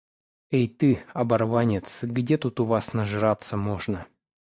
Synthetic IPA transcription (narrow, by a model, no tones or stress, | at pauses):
ejt̪ɨɐbɐrvanʲɪt̪sɡdʲet̪ut̪ʊvasnəʐɨɾat̪səmoʐnə